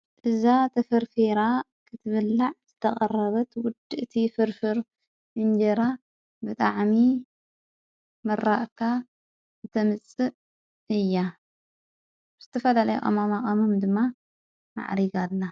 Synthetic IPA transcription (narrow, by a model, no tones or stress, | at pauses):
ʔɨzat̪ʰɐfɐɾfeɾa | kʰɨt̪ʰɨβɨlːaʕz̥ɨt̪ʰɐχʼɐrːɐβɐt̪wʊd̪ɨʔɨt̪ʰifɨɾfɨɾ | ʔɨnd͡ʒɐɾa | bɨt̪ʼa̰ʕmi | mɨɾːaʔkʰa | ɨt̪ʰɐmɨt͡sʼːɨʔ | ʔɨjːa | z̥ɨt̪ʰɐfɐlalɐjṵʔɐ̰mamaχʼɐmumd̪ɨmːa | ma̰ʕɾiɡalːa